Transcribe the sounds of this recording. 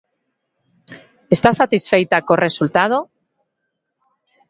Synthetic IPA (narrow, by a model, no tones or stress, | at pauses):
est̪asat̪isfejt̪akore̞sult̪að̞o